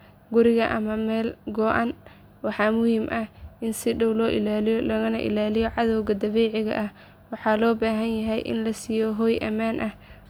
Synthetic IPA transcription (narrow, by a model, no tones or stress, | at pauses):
ɡʊɾɪɣɐʔɐmɐmɛːlɡɔʔa̰ːn | wɑħɑːmʊhiːmʔɐhʔɪnsɪɖɔwlɔːʔɪlaːlɪjlɐɣɐnɐʔɪ̰laːlɪjɔʕɑðɔwɣɐd̪ɐβɛːʕɪɣɐ̰ʔɐh | wɑħɑːlɔːbaːɦɐnjɐɦɛjʔɪ̰nlɐsiːjɔɦɔːjʔɐmaːnʔɐh